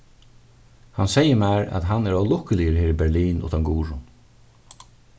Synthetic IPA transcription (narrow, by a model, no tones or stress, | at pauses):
hansɛjəmæːɹa̰t̪ɦanːɛɾɔːlʊhkəlɪjəɾheːɾibɛɹliːnʊ̰t̪aŋɡuːɾʊn